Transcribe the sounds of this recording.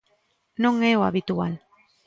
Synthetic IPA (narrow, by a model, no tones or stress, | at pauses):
noŋeoaβit̪uan